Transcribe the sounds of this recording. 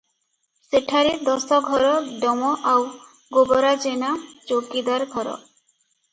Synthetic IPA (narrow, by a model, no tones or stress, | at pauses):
seʈʰaɾid̪ɔsɔɡʱɔɾɔɖɔmɔʔaw | ɡobɔɾad͡ʒenat͡ʃokid̪waɾɡʱɔɾɔ̰